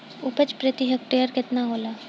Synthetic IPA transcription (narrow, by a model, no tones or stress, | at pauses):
ʊpət͡ʃpɾət̪iɦək̚ʈeːəɾkɪt̪naɦoːlaː